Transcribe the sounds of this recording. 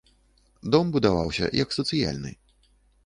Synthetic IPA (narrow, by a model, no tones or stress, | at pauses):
d̪ɔmbud̪avawsʲɐ̰jɐksɐt̪sɨja̰lʲnɨ̰